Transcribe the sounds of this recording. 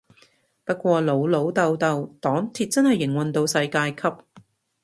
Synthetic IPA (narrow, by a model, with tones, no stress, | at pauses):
pɐ˥t̚kʷɔː˧lo˨˥wlo˨˥wt̪ɐ˧wt̪ɐ˨˧wt̪ɔː˨˥ŋt̪ʰiː˨t̚t͡sɐ˥nhɐ˨jːɪ˨˩ŋwɐ˨nt̪o˧wsɐ˧jkaː˧jkʰɐ˥p̚